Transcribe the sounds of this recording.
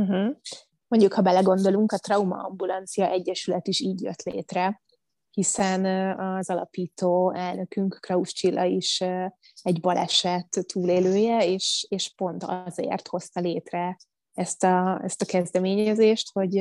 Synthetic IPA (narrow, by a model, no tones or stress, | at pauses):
m̩ɦ̩ | mo̞ɲɟukhɒbɛlɛɡo̞nd̪o̞luŋkɒt̪rɒumɒ̰ɒ̰mbulɒnt̪sijɒʔɛɟːɛʃylɛt̪iʃiːɟjø̰t̪lḛːt̪rɛ | hisɛnɒzɒlɒ̰piːt̪oːɛlnøkyŋkːrɒuʃt͡ʃilːɒiʃ | ɛɟbɒlɛ̰ʃɛt̪ːuːleːløːjɛeːʃeːʃpo̞nt̪ɒ̰zḛːrt̪ho̞st̪ɒleːt̪rɛ | ɛst̪ɒɛ̰st̪ɒkɛzd̪ɛmeːɲɛzeːʃt̪ho̞ɟ